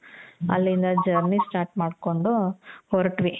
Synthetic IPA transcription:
ɐ̰lːind̪ɐd͡ʒɐɾnisʈaːɾʈmaːɖko̞ɳɖuhoɾʈʋi

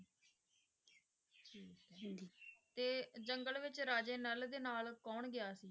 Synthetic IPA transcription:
ʈʰiː | t̪eːd͡ʒəŋɡəlʋɪt͡ʃɾaːd͡ʒeːnəld̪eːnaːlkɔːɳɡɪaːsiː

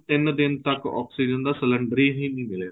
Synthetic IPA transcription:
t̪ɪnd̪ɪnt̪əkɔ̰ːksiːd͡ʒənd̪aːsələɳɖɾiːɦĩːnĩːmɪle

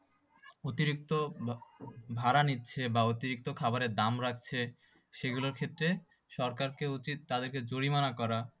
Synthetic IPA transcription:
ot̪iɾik̚t̪o | bʱaɾanitːɕʰebaot̪iɾik̚t̪okʰabaɾeɾd̪amɾakʰt͡ɕʰe | ʃeɡuloɾkʰet̪ːɾe | ʃɔɾkaɾkeoit̪t̪ad̪eɾked͡ʑoɾimanakɔɾa

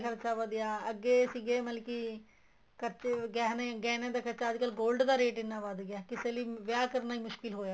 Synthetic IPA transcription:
kəɾt͡ʃaːʋəd̪jaːəɡːeːsiɡeːməlkiː | kət͡ʃɡɛːnẽɡɛːnẽːd̪aːkət͡ʃaːd͡ʒkəːlɡoːlɖd̪aːɾeːʈɪnːãːʋaːd̪ɡjaːkɪseːliːʋjaːkəɾnaːiːmʊʃkɪlɦoːjaː

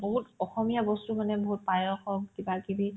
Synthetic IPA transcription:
boɦutɔxɔmijabɔstumanɛboɦut̚pajɔxɔkkibakibi

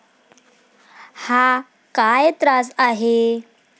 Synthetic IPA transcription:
ha | kajt̪ɾasaɦe

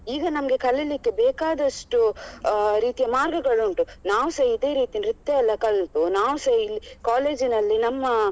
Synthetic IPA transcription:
iːɡɐnɐmɐɡe̞kɐlilikːebɛːkaːd̪ɐʂʈu | ɾiːt̪ijɐmaːɾɡɐɡɐɭuɳʈunaːʋuseːid̪e̞ːɾiːt̪inɾut̪ːeɐlːɐkɐlɳpunaːʋuselːikaːle̞ːd͡ʒinɐlːinɐmːɐ

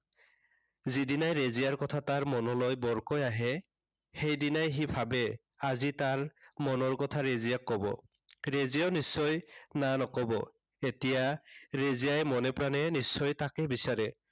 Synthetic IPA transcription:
zidinajɹezijaɹkɔtʰataɹmɔnɔlojbɔɹkɔjaɦɛ | xejdinajɦibʰʱabɛ | azitaɹmɔnɔɹkɔtʰaɹezijakːɔbɔ̰ | ɹezijɔnisːɔjnanɔkɔbɔ | etijaɹezijajmɔnɛpɹanɛnisːɔjtakɛbisaɹɛ

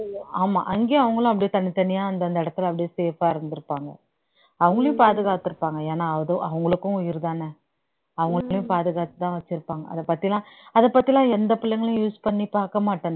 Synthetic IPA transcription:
aːma̰ːʔɐŋɡeːɐʋɐŋɡɐɭʊ̃ɐp̬ːɐɽɪjːt̪ɐnːɪt̪ːɐnɪjaːɐnd̪ɐɐnd̪ɐɪɽɐt̪ːɪlɐpɐɽɪjːseːfaːɪɾɯnd̪ɯɾɯpːaːŋɡɐ̰ | ɐʋɐŋɡɐɭjʊ̃paːðɯɣaːt̪ɪɾɯpːaːŋɡɐeːnaːðõʔɐʋɐŋɡɐɭɯkːʊ̃ʊjɪɾɯðaːnɛ | ɐʋɐŋɡɐɭɭjʊ̃paːðɯɣaːt̪ɯt̪ːãːʋɐt͡ʃːɪɾɯpːaːŋɡɐ̰ɐ̰ðɐpɐt̪ːɪlãːɐðɐpːɐt̪ːɪlãːɛnd̪ɐpɪlːɐŋɡɐɭjʊ̃juːspɐɳːipaːɾkɐmaːʈːɐn

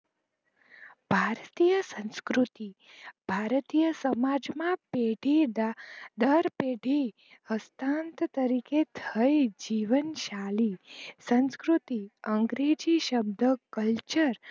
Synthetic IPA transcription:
bʱaɾt̪ijəsə̃nskɾut̪ibʱaɾt̪ijəsəmad͡ʒmãpeɖʱid̪d̪əɾpeɖʱi | həst̪ant̪t̪əɾiket̪ʰəjd͡ʒiʋənʃalisə̃nskɾut̪iəŋɡɾed͡ʒiʃəb̚d̪ʱəkəlt͡ʃəɾ

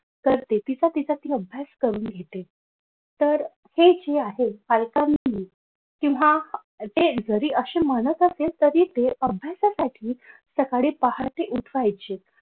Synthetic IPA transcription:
kəɾt̪et̪it͡sat̪it͡sat̪iːəbʱjaskəɾuːnɡʱet̪e | t̪əɾ | hed͡ʑeaɦefalkamːi | kĩw̃ʋ̤a | t̪ed͡zəɾiːʔəɕeməɽ̃ət̪əselt̪əɾiːt̪eəbʱjasasaʈʰiːsəkaɽepahaɾt̪eʔuʈʰʋajt͡ɕet̪̚

